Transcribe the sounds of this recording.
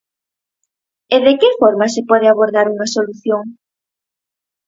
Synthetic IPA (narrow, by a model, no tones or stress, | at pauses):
eðekefɔɾmasepɔð̞eaβoɾðaɾuŋasoluθjoŋ